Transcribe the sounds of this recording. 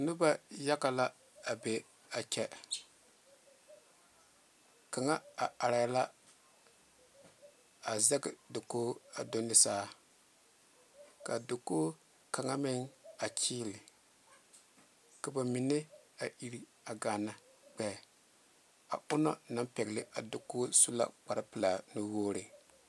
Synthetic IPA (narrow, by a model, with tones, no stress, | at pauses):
nʊ˦ba˦ja˦ka˨la˦ | a˨be˨ | a˨t͡ʃɛ˦ | ka˨ŋa˦a˨a˨ɾa˨˦la˦ | a˨zɛ˦ɡɪ˨do˨koː˦a˨do˦nɪ˦saː˦˨ | ka˨do˨koː˦ | ka˨ŋa˦mɪ˦ŋa˨t͡ʃiː˦lɪ˨ | ka˨ba˨mi˨ne˦a˨ʔi˦ɾi˦ | a˨ɡa˨na˨˦ | k͡pɛ˨ | a̰˨ʊ˦nɔ̰˦na˦mpɛ˨ɡlɪ˦ʔa˨do˨ko˦su˦la̰˦k͡pa˨ɾɪ˦pɨ˨la˨nu˦woː˦ɾɪ˨